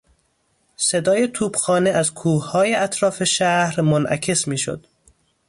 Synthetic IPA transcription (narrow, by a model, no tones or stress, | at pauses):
se̞d̪ɒːje̞t̪ʰuːbxɒːneʔæzkʰuːhhɒːje̞ʔæt̪ʰɾɒːfe̞ʃæhɾmonʔæ̰cʰe̞smiːʃo̰d̪̥